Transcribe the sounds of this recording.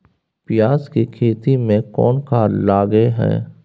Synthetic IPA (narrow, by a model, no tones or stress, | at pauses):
pɪjaːskikʰeːt̪imẽkɔ̰ːnkaːlaːɡeɦɛ̰ː